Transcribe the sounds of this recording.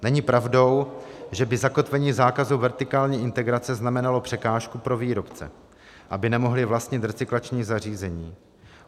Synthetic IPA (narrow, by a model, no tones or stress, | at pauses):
nɛɲɪpɾavdo̞w | ʒɛbɪzako̞t̪vɛɲiːzaːkazuvɛɾt̪ɪkaːlɲiːʔɪnt̪ɛɡɾat͡sɛznamɛnalo̞pr̥ɛkaːʃkupɾo̞viːɾo̞pt͡sɛ̰ | ʔabɪnɛmo̞ɦlɪvlast̪ɲɪt̪ɾɛt͡sɪklat͡ʃɲiːzar̝iːzɛɲiː